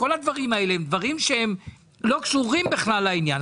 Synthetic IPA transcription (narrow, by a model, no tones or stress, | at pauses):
o̞lad̪vaʁimae̞leemd̪vaʁimʃeem | lo̞kʃuʁimbeχlalːainjan